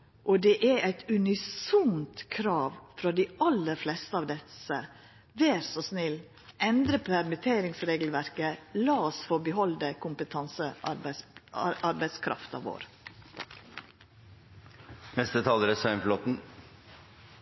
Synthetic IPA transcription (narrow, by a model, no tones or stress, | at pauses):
ʔoːd̪eʔæɾæɪt̪ʉnɪsʊmt̪kʰɾɑːʋfɾɑd̪iɑlːəɾflɛst̪əɑːʋd̪ɛsə | ʋeːɾsɔsnɪlː | ʔɛnd̪ɾəpʰæɾmɪt̪ʰeːɾɪŋsɾeːɡl̩ʋæɾkəlɑːɔsfɔbəɦɔld̪əkʰʊmpət̪ʰɑnsə | ʔɑɾbæɪskʰɾɑ̰ft̪ɑ̰ːʋo̰ːɾ | nɛst̪ət̪ʰɑːləɾəsœɪnflɔt̪n̩